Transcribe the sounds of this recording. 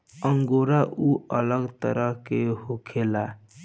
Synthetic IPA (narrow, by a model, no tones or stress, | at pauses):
əŋɡoɾaʔuələɡt̪ə̰ɾʔəɦkehokʰela